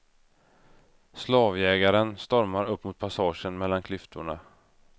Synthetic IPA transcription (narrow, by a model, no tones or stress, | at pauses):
slɑːvjɛːɡaɾənst̪ɔɾmaɾɵpːmʊt̪̚pʰasɑːʂənmɛlːankʰlʏft̪ʰʊɳa̰